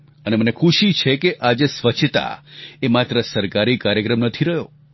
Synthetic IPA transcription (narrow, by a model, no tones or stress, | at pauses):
ənemənekʰuʃit͡ʃʰekeʔad͡ʒesʋət͡ʃʰt̪a̰emat̪ɾəsəɾkaɾikaɾjəkɾəmnət̪ʰiɾəɦjo